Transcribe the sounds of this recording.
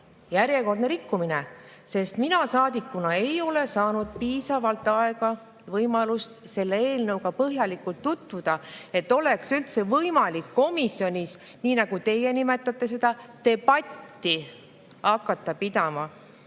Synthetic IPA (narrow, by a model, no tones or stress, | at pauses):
jæɾje̞ko̞rd̪ne̞ɾikːumine | se̞st̪minɑsɑːd̪̥ikːunɑe̞jo̞le̞sɑːnud̪̥̚piːsɑvɑlt̪ːˑɑe̞ɡ̥ɑ | vɤjmɑlust̪se̞lːeeːlnɤwɡ̥ɑpɤɦjɑlikːult̪ːut̪vud̪̥ɑe̞t̪ːo̞leksylt̪se̞vɤjmɑlikːo̞misio̞nʲis | niːnɑɡ̥ut̪e̞je̞nime̞t̪ːˑɑt̪ːˑe̞se̞d̪̥ɑt̪e̞b̥ɑt̪ːi | ɑkːˑɑt̪ːɑpid̪ɑmɑ